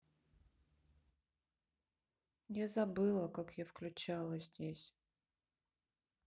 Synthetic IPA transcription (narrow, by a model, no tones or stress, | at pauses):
jazɐbɨlˠəkakjafklʲʉt͡ɕalˠəzʲdʲesʲ